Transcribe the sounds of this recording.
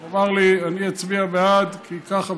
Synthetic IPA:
avaʁlianiat͡sbiabead̪kʰikaχa

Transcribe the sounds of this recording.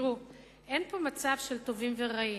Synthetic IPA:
ʁu | ʔe̞npo̞mat͡savʃe̞lt̪o̞vimve̞ʁai

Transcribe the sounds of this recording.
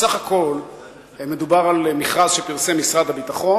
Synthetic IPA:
saχako̞l | me̞d̪ubaʁalmiχʁazʃepiʁsemisʁad̪habitaχo̞

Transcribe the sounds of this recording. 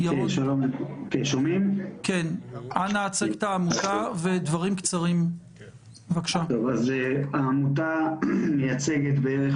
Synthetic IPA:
jaoʃalomekeʃomimkenanaːt͡seɡt̪aːmut̪aved̪vaʁimkt͡saʁim | vakʃat̪ovazaːmut̪̬amejat͡seɡet̪beeʁe

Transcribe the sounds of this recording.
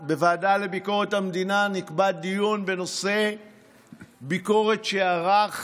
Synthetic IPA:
be̞vaːdale̞biko̞ʁe̞thamed̪inanikbad̪̚dijonbe̞no̞se̞ | biko̞ʁe̞tʃeaʁaχ

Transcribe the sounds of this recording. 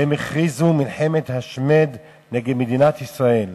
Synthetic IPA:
emeχʁizumilħemet̪haʃmed̪ | neɡed̪med̪inat̪isʁae̞l

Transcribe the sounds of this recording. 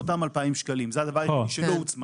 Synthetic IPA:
ot̪amalpaimʃkalimzead̪avaʁoʃelout͡sma

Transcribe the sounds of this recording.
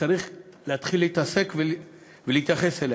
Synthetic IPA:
aɾiχ | leat̪χilːeit̪ase̞kve | veliit̪jaχe̞sel

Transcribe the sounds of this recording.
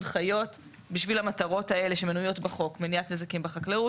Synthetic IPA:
dχajo̞t | biʃvilhamataʁo̞tae̞le̞ʃemenujo̞tbeχo̞kmeniatnezakimbeχakleu

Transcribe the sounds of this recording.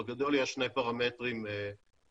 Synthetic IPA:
ɡado̞ljɛʃnejpaʁametʁim

